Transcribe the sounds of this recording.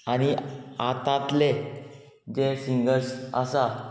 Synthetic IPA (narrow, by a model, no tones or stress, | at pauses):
añiat̪ãt̪le | d͡ʑefiŋɡəɾsə̰sa